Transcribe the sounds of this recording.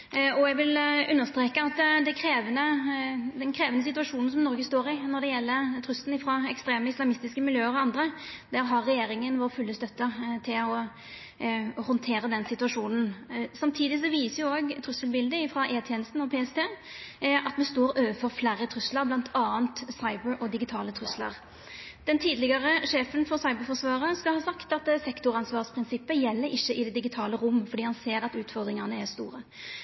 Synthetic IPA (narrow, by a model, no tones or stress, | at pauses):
ɔɛɡʋɪlʉnːəst̪ɾeːkəɑt̪d̪ɛkʰɾeːʋənəd̪ɛnkʰɾeːʋənəsɪt̪ʉɑʂuːnn̩sɔmnɔʁɡəst̪oːʁɪnɔd̪ɛjɛlːət̪ʰɾʉsln̩ɪfɾɑɛkst̪ɾeːməɪslɑmɪst̪ɪskəmɪljøːəɾɔɑnd̪ɾəd̪æɾɦɑɾːɛjeːɾɪŋənʋoːʁfʉlːəst̪œt̪ːət̪ʰɪlɔ | ɔhɔnt̪ʰeːɾəd̪ɛnsɪt̪ʉɑʂuːnn̩sɑmt̪ʰiːd̪ɪs̬ɔʋiːsəjʊoːɡt̪ʰɾʉsəlbɪld̪əɪfɾɑːʔeːt̪ʰjɛːnəst̪n̩ɔpʰeːɛst̪ʰeː | ɑt̪mɛnst̪oːʁøːʋəfɔʁflæːɾət̪ʰʁʉslɑɾblɑnt̪ʰɑːənt̪sɑɪbəɾʔɔd̪ɪɡɪt̪ʰɑːlət̪ʰɾʉslɑ̰ʁ | d̪̥ɛnt̪ʰiːd̪lɪɡɑʁəʂeːfənfɔʁsɑɪbəɾfɔsʋɑːʁəskɑlhɑːsɑkt̪ɑt̪sɛkt̪ʊʁɑnsʋɑːʁspʰɾɪnsɪpːəjɛlːəɾɪçːəʔɪd̪ɛd̪ɪɡɪt̪ʰɑːləɾʊmːfɔd̪iːhɑnseːɾɑt̪ʉːt̪fɔʁd̪ɾɪŋɑnəæʁst̪ṵːɾə